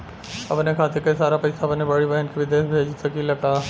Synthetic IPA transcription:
ɐ̰pnekʰaːt̪ʰikeisaːɾapɐɪsaɐpnebɐɽiʋɐɦənkiʋɪd̪eːʃbʱeːd͡ʒsɐkilɐɡaː

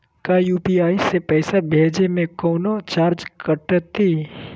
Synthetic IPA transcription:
kajuːpiaːisepɛːsabʱeːd͡ʒemẽkɔːnot͡ʃaːɾd͡ʒkəʈət̪ːiː

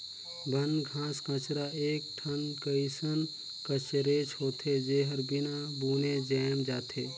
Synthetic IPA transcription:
bʱənɡʱãːskə̃t͡ʃɾaeːk̚ʈʰənkəisən | kət͡ʃəɾeːt͡ʃɦoːt̪ʰed͡ʒeːɦəɾbɪnabuːned͡ʒəːmd͡ʒaːt̪ʰeː

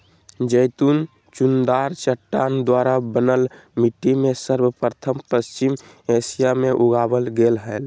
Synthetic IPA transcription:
d͡ʒəjt̪un | t͡ʃund̪aɾt͡ʃəʈːand̪waɾabənəlmiʈːimesəɾbəpɾət̪ʰəmpəst͡ʃim | esijameʔuɡabəlɡelɦəl

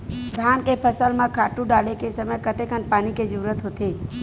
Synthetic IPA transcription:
d̪ʱaːnkepʰəsəlmãkʰaːʈũɖaːlekesəməjkət̪ekənpaːniked͡ʒuɾət̪ɦoːt̪eː

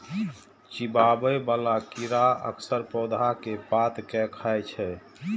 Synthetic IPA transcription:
t͡ʃibabəbalakiɾaə̰ksəɾpɾod̪ʱakepat̪kɛkʰajt͡ʃʰɛ

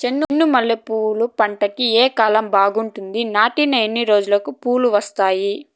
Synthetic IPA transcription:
t͡ʃe̞nːunːumɐlːipuːlupɐɳʈɐkieːkaːlɐmbaːɡuɳʈund̪inaːʈinɐenːiɾo̞ːd͡ʒulɐkupuːluʋɐst̪aːji

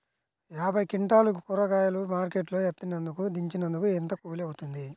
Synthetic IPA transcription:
jaːbʱɐjkiɳʈaːlukukuɾɐkaːjɐlumaːɾkeʈloːet̪ːinɐnd̪ukud̪iɲt͡ʃinɐnd̪ukuent̪ɐkuːliɐwut̪und̪i

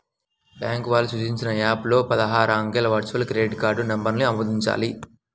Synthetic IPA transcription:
bjaːŋkʋaːlusut͡ʃiɲt͡ʃinɐaːplo̞ːpɐd̪ɐɦaːɾɐɐŋɡelɐʋɐɾt͡ʃuɐlkɾeːɖkaːɾɖunɐmbɐɾniɐmuːd̪iɲt͡ʃa̰ːli

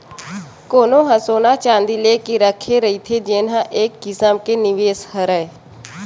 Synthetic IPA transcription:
koːnõɦəsoːnat͡ʃãːnd̪ileːkiɾəkʰeɾəɦit̪ʰed͡ʒeːnɦãʔeːkːɪsəmkenɪʋeːshəɾəe

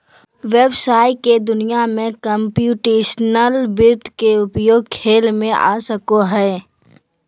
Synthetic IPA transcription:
ʋebsaːɪked̪ʊnijamẽkəmpjuːʈeːʃnəlbɪɾt̪keʊpjoːɡ̚kʰeːlmẽʔa̰ːsəkoɦɛː

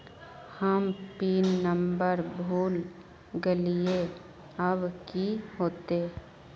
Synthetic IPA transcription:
həmpiːnːəmbəɾbʱuːl | ɡəlije | əbkihoːt̪eː

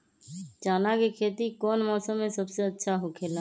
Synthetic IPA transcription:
t͡ʃaːnakekʰeːt̪ikɔːnmɔːsəmːẽsəbseɐtːʃʰaɦokʰeːlaː

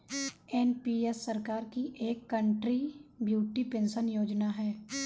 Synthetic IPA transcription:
enpiːesːəɾkaːɾkiʔeːkːə̃ɳʈɾibjuːʈipẽnʃənjoːd͡ʒnaɦɛː

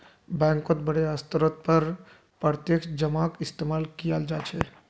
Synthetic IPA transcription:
bɛ̃ŋkõt̪̚bəɽ̤eəst̪əɾot̪̚pəɾ | pɾəɾt̪jekd͡ʒəmakist̪emalkijald͡ʒat͡ʃʰɛ

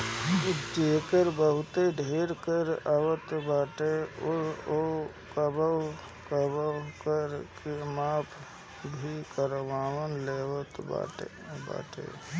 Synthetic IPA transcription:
t͡ʃeːkəɾbəɦʊt̪eɖʱeːɾkəɾaʋət̪baːʈeʊɾo | kəbə | kəbəkəɾkemaːpʰ | bʱikəɾʋaːʋənleːʋət̪ba̰ːʈe | ba̰ːʈḛ

